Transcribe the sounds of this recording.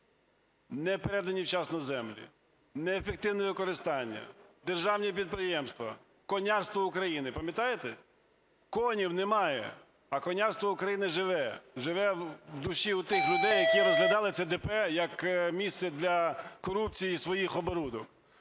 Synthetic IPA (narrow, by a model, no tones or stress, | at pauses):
nɛpeɾɛd̪ɐnʲiwt͡ʃɑsnɔzɛmlʲḭ | nɛːfek̚t̪ɪwnɛʋɪkɔɾɪst̪ɑnʲːɐ̰d̪erʒɑwnʲipʲid̪̚pɾɪjɛmst̪ʋɐ̰ | kɔnʲɑrst̪ʋɔʊkɾɐjinɪpɐmʲjɐt̪ɑjet̪ɛ | kɔnʲiwnɛmɑjɛ̰ | ɐkɔnʲɑrst̪ʋɔʊkɾɐjinɪʒɪʋɛʒɪʋɛwwd̪ʊʃʲiʊt̪ɪxlʲʊd̪ɛjːɐkiɾɔzɦlʲɐd̪ɑlˠɪt̪sʲɛd̪ɛpɛjɐkmʲist̪sɛd̪lʲɐkɔɾup̚t͡sʲijisʋɔjixɔbɔɾud̪ɔk